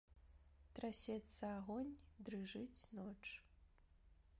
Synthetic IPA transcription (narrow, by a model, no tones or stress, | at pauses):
t̪ɾasʲɛt̪sɐaɣɔnʲd̪ɾɨʐɨt͡sʲnɔt͡ʂ